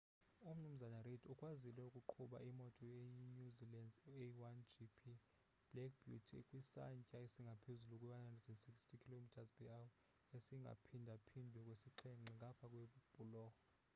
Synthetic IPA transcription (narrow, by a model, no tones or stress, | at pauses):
um̩num̩zanaredʰukʼwazilɛukʼuǃʰuɓa̰ʔimɔtʼɔjeinuzilɛnd͡zewand͡ʒipʰi | b̥lɛk̚ʰb̥jutʰkʼwisa̰ɲcʼaesiŋɡʱapʰezulukʼwɛwanhandrɛdɛnsikʼstʰikʰilomitʰazbɛaw | esiŋɡʱa̰pʰindʱapʰindʱɛkʼwesiǃʰɛŋ͡ǀiŋʱapʰakʼweb̥ʱulɔːxɔ